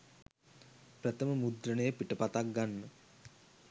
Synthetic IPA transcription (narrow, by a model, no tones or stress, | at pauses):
pɾət̪əməmud̪ɾənəjəpiʈəpat̪ak̚ɡanːə